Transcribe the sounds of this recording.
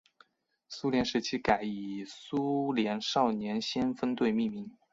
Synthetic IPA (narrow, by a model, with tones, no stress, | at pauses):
su˥ljɛ˧˥nʂɻ̩˧˥t͡ɕʰi˥ka˨˩ɪi˨˩su˥ljɛ˧˥nʂɑ˥˩ʊnjɛ˧˥nɕɛ˥nfə˥nt̪we˥˧ɪmi˥˩mi˧˥˦ŋ